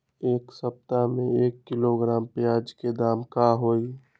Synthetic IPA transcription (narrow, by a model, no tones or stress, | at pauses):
eːksəp̚t̪amẽeːkːɪloɡɾaːmpjaːd͡ʒked̪aːmkaɦoːi